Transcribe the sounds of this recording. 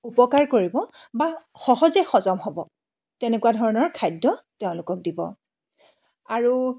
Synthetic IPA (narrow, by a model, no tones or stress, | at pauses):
upɔkaɹkoɹibɔ | ba | xɔɦɔzɛxɔzɔmɦɔbɔ | tɛnɛkuwadʱɔɹɔnɔɹkʰajdːɔteʊ̃lʊkɔk̚dibɔ̰ | aɹu